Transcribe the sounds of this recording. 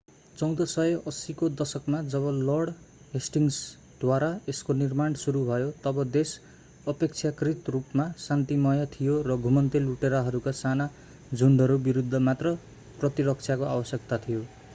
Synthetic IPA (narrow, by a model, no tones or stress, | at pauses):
t͡sʌw̃d̪ʌsʌjʌʔʌsikod̪ʌsʌkmad͡zʌβʌlʌrɽ | ɦesʈiŋs | d̪̥waɾaeskonirmaɳsuɾubʱʌjot̪ʌbʌd̪es | ʌpek̚t͡sʰjakrit̪rupmasant̪imʌjʌt̪ʰijorʌɡʱumʌnt̪eluʈeɾʌɦʌɾukasana | d͡zʱuɳɖʌɾubiɾud̪ʱːʌmat̪rʌ | prʌt̪iɾʌk̚t͡sʰjakoabʌsjʌk̚t̪at̪ʰijo